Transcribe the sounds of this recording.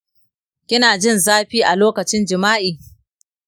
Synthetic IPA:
kʲɪ˦naː˨d͡ʒɪ˦˨nzaː˦ɸiː˦ʔa˨loː˦kɐ˨t͡ʃɪ˦nd͡ʒɪ˨maː˦ʔiː˨

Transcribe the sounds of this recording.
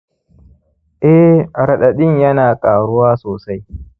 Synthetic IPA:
ʔɛ˦ɾɐ˨ɗɐ˨ɗɪ˦ɲjɐ˦naː˨kʼaː˨ɽʊ˦waː˦soː˨sa˦j

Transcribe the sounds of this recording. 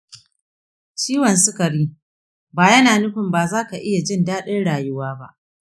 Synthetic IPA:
t͡ʃiː˦wɐ˨nsʊ˦kɐ˨ɽiː˦ | baː˨jɐ˦naː˨nʊ˦ɸɪ˨mbaː˨zaː˦ka˨ʔɪ˦ja˨d͡ʒɪ˦ndaː˦ɗɪ˦nɽaː˨jʊ˦waː˦ba˦ʔ

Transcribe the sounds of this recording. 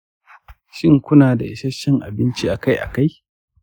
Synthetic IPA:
ʃɪ˦ŋkʷʊ˦naː˨da˨ʔɪ̰˨sɐ˦ʃɪ˦ŋʔa̰˨bɪ˦nt͡ʃi˦ʔa˨ka˦jʔa̰˨ka˦j

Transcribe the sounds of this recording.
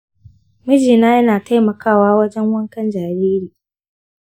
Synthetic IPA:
mɪ˦d͡ʒiː˨naː˦jɐ˦naː˨ta˦jmɐ˨kaː˦˨waː˦wɐ˦d͡ʒɛ˦ŋwɐ˦ŋkɐ˦nd͡ʒaː˨ɾiː˦ɾiː˨

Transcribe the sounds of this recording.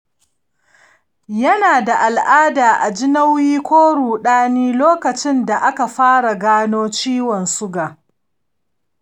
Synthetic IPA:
jɐ˦naː˨da˨ʔa˨lʔaː˦daː˨ʔa˨d͡ʒɪ˦na˦wjiː˦kʷoː˦ɽuː˨ɗaː˦niː˦loː˦kɐ˨t͡ʃɪ˦nda˨ʔa˦ka˨ɸaː˦ɽa˨ɡaː˦noː˦t͡ʃiː˦wɔ˨nsʊ˦ɡaː˨

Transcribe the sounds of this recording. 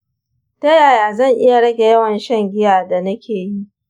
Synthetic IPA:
tɐ˦jaː˨jaː˨zɐ˦˨ŋʔɪ˦ja˨ɽɐ˦ɡʲe˨jɐ˦wɐ˨nʃɐ˦˨ŋɡʲɪ˦jaː˨da˨nɐ˦kʲʰeː˨ji˦ʔ

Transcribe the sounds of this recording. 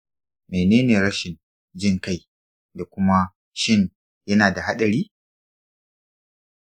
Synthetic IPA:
me˨neː˦neː˨ɾɐ˦ʃɪ˨n | d͡ʒɪ˦ŋka˦˨j | da˨kʷʊ˦ma˦ | ʃɪ˦n | jɐ˦naː˨da˨ɦa˦ɗɐ˨ɾiː˦

